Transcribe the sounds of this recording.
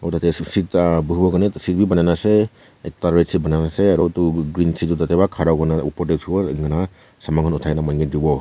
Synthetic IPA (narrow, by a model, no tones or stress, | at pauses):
atatesitbɯɦbɔɡɯnesit̚bibananase | etaɾɾet̚sibananaseaɾɔtuɡɾinsidutatebakʰaɾawɡɯnaupɔɾdeubaɯŋɡɯna | samaŋhɯnutʰajnamanŋɡidibɔ